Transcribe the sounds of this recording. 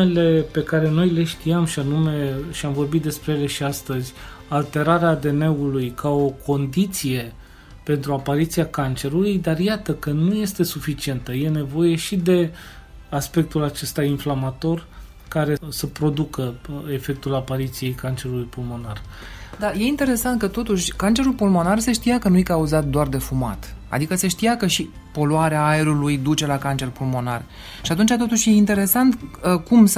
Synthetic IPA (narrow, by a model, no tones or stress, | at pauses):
ele̞pe̞kaɾe̞no̞jle̞ʃt̪iamʃianume̞ʃiamvo̞rbit̪̚d̪e̞spɾejele̞ʃiast̪əzʲ | alt̪e̞ɾaɾeaːd̪e̞ne̞ulujkao̞kʰo̞nd̪it̪sije̞ | pe̞nt̪ɾuapaɾit̪siakant͡ʃe̞ɾulujd̪arjat̪əkənuje̞st̪e̞sufit͡ʃie̞nt̪əje̞ne̞vo̞je̞ʃid̪e̞ | aspe̞k̚t̪ulat͡ʃe̞st̪ainflamat̪o̞r | kaɾe̞səpɾo̞d̪ukəe̞fe̞k̚t̪ulapaɾit̪sije̞jkant͡ʃe̞ɾulujpulmo̞nar | d̪aje̞int̪e̞ɾe̞sant̪̚kət̪o̞t̪uʃʲkant͡ʃe̞ɾulpulmo̞narse̞ʃt̪ijakənujkauzat̪̚d̪oard̪e̞fuma̰t̪ | a̰d̪ikəseʃt̪ijakəʃi | po̞loaɾeaaeɾulujd̪ut͡ʃe̞lakant͡ʃe̞rpulmo̞na̰r | ʃiat̪unt͡ʃat̪o̞t̪uʃje̞int̪e̞ɾe̞sant̪əkums